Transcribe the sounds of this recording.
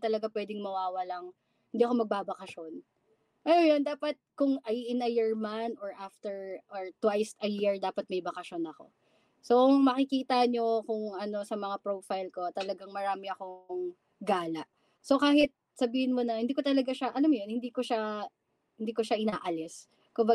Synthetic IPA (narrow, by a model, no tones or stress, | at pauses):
t̪ɐlɐɡapwɛːd̪ɪŋmɐwaːwɐlaŋ | hɪnd̪iːɐko̞mɐɡ̚baːbɐkɐʃon | ʔɐjojond̪aːpɐt̪̚kʊŋʔɐjʔɪnɐjɛɹmanoɹʔaft̪ɛɹʔoɹt̪wajsɐjiɹd̪aːpɐt̪̚mɐjbɐkɐʃo̞nɐko̞̰ | soʔŋmɐkɪkiːt̪ɐɲo̞kʊŋʔɐno̞sɐmɐŋapɹofajlko̞t̪ɐlɐɡaŋmɐɾaːmɪɐkoŋ | ɡaːlɐʔ | sokaːhɪt̪̚ | sɐbiːhɪnmonɐhɪnd̪iːkot̪ɐlɐɡaʃaʔɐlɐmjonhɪnd̪iːko̞ʃa | hɪnd̪iːko̞ʃaʔɪnaːʔɐlɪs | kʊmba